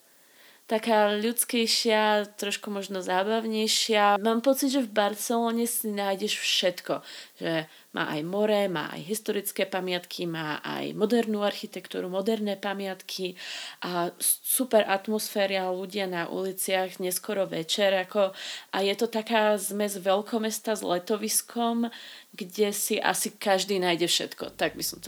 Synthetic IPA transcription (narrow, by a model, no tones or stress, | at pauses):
t̪akaːʎut͡skɛjʃɪat̪ɾɔʃkumɔʒnɔzaːbaʊɲɛjʃɪamaːmpɔt͡sid̪ʒɛvbaɾt͡sɛlɔːɲɛsinaːjɟɛʃfʃɛt̪kɔʒɛ | mʔa̰ːʔa̰jmɔɾɛma̰ːʔa̰jɦist̪ɔɾit͡skɛːpamɪat̪kʰimaːʔa̰jmɔd̪ɛɾnuːaɾxit̪ɛkt̪ṵːɾumɔd̪ɛɾnɛːpamɪat̪kʰiʔasupɛɾʔat̪mɔsfɛːɾɪaluɟɪanaʔṵlit͡sɪaɣɲɛskɔɾɔʋɛt͡ʃɛɾakɔʔajɛt̪ɔt̪akaːzmɛzʋɛʎkɔmɛst̪azlɛt̪ɔʋiskʰɔmɡɟɛsiʔa̰sikaʒd̪iːnaːjɟɛfʃɛ̰t̪kɔ̰t̪aɡ̚bisɔmt̪